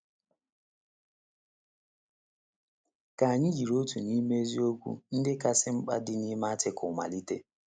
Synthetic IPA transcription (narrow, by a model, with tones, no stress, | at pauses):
ka˨a˨ɲɪ˦d͡ʒi˨ɾo˦tu˨ni˦me˦e˦zi˦o˦kʷṵ˦n̩˦dɪ˦ka˦sɪ˦ŋ͡m̩˦k͡pa̰˦dɪ˦ni˦ma˦a˦tɪ˦kʊ˨ma̰˨li˦te˦